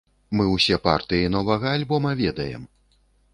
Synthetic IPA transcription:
mɨwsʲɛpa̰rt̪ɨjinɔvɐɣɐːlʲbɔmɐvʲɛd̪ɐjɛ̰m

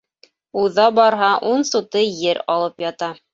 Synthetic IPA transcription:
uðɑbɑɾɦɑʔunsut̪ɤjɘɾɑlˠɤpjɑt̪ɑ

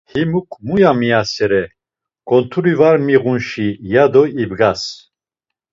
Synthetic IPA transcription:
himukʼʰmujamiasɛɾɛ | kʼɔnt̪ʰuɾivaɾmiʁunʃijad̪ɔibɡas

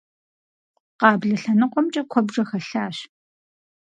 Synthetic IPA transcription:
qɑːbɮɐɬɐnɨqʷɔmt͡ʃʼɐkʷʰɔbʐɐxɐɬaːɕ

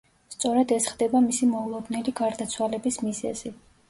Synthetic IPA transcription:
st̪sʼɔɾɛd̪ɛsχd̪ɛbamisimɔulˠɔd̪nɛliɡaɾd̪at̪sʰwalɛbismizɛ̰z̥i

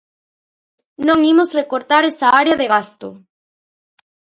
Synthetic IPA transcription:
nõŋimosrekoɾt̪aɾesaaɾeɐðeɣast̪ʊ̰

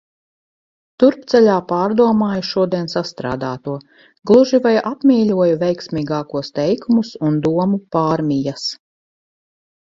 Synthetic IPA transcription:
t̪uɾpt̪sɛlʲaːpaːɾd̪uɔmaːjuʃuɔd̪iɛnsast̪ɾa̰ːd̪aːt̪uɔ | ɡlˠuʒivajʔapmʲiːlʲuɔjuvʲɛjksmʲiːɡaːkuɔst̪ɛjkumusund̪uɔmupaːɾmʲijas

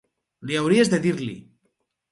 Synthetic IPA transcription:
liawɾiezðeðiɾlḭ

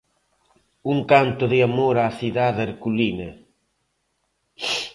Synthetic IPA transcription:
uŋkant̪ʊðiamoɾaːsiðaðaɾkuline

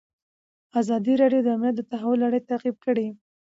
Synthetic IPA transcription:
azɑd̪iɾɑɖjod̪əamnijat̪̚d̪ət̪aɦawʊlːaɽəjt̪aqib̚kəɽi

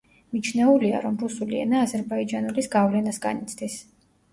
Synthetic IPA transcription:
mit͡ʃʰnɛulia̰ɾɔmɾusuliɛ̰naːzɛɾbaid͡ʒanulisɡavlɛnasɡanit̪sʰd̪is

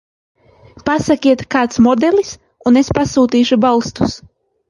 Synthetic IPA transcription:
pasakʲiɛt̪kaːt̪smɔd̪elʲˠis | unespasuːt̪iːʃubalˠst̪u̥s

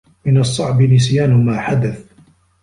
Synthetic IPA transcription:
mɪnɑsˤːɑʕbɪmɪs̬jaːnʊmaːħad̪aθ

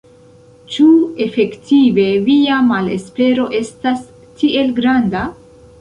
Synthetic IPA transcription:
t͡ʃue̞fe̞ktive̞viamale̞̰spe̞ɾo̞ʔe̞stas | tʰie̞lɡɾanda

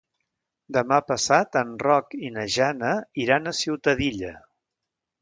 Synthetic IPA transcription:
d̪əmapəsat̪ənrɔkinəʒanəiɾanəsiwt̪əðiʎə

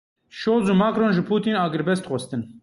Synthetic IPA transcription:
ʃoːlzuːmaːkɾoːnʒɨpʰuːt̪iːnɑːɡɨɾbɛst̪xʷɔst̪ɨn

